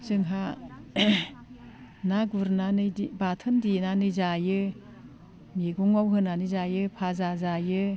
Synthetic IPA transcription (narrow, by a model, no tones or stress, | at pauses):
zɯŋɦa | naɡuɾnanɯjdibatʰɯndinanɯjzajɯ | miɡuŋawɦɯnanɯzajɯpʰazazajɯ